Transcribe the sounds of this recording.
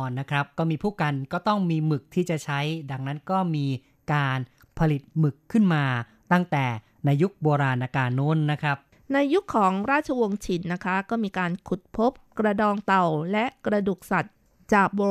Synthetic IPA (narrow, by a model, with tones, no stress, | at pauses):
ɔː˨˩nːa˦˥kʰɾa˦˥p̚kɔː˥˩miː˧pʰuː˥˩ka˧nkɔː˥˩t̪ɔ˥˩ŋmiː˧mɯ˨˩k̚t̪ʰiː˥˩t͡ɕa˨˩t͡ɕʰa˦˥jda˧ŋna˦˥nkɔː˥˩miː˧ | kaː˧n | pʰa˧li˨˩t̪̚mɯ˨˩kʰːɯ˥˩nmaː˧ | t̪a˥˩ŋt̪ɛː˨˩ | naː˧ju˦˥k̚boː˧ɾaː˧nʔa˧kaː˧no˦˥nːa˦˥kʰɾa˦˥p̚ | na˧jːu˦˥kʰːɔː˩˦ŋɾaː˥˩t̪̚t͡ɕʰa˧wo˧ŋt͡ɕʰi˩˦nːa˦˥kʰa˦˥kɔː˥˩miː˧kaː˧nkʰu˨˩t̪̚pʰo˦˥p̚kɾa˧dɔː˧ŋt̪a˨˩wlɛ˦˥ʔkɾa˧du˨˩k̚sa˨˩t̪̚ | t͡ɕaː˨˩k̚boː˧